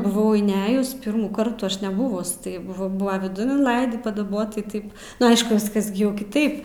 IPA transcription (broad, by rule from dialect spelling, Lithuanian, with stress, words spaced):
bʊˈʋɐʊ ɪnʲˈæːjʊs ˈpʲɪrmuːˌkɐrt ˈɐʃ nʲɛˈbʊʋʊs ˈtɐɪ ˈbʊʋoː ˈbʊʋɐ ʋʲɪˈdʊn ɪnˈlˠɐɪdʲiː pɐdɐˈboːt tɐɪ ˈtɐɪp ˈnʊ ˈɐɪʃkʊ ˈʋʲɪskɐs ɡʲɪ ˈjɛʊ kʲɪˈtɐɪp